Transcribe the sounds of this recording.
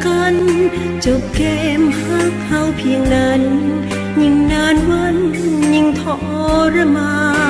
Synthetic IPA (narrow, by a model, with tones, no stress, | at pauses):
ka˧n | t͡ɕo˨˩p̚kɛː˧mpʰaː˧˥˩kʰha˧˩wpʰi˧əŋnaː˧˥n | ɲi˧ŋnaː˧˥nwa˧˥nɲi˧ŋt̪ʰɔ˧ʔɔ˧ɾa˧maː˧